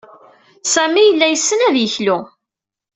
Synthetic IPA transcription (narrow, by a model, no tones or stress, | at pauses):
sæmijəlːæjəsːənæðjəçlu